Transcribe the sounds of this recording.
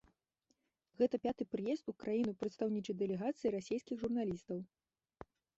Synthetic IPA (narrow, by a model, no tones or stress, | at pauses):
ɣɛt̪ɐpʲat̪ɨpɾɨjɛst̪ukɾajinɨpɾɐt̪st̪awnʲit͡ʂɐd̪ɛlʲɛɣat̪sɨjiɾasʲejskʲiɣʐurnalʲist̪ɐw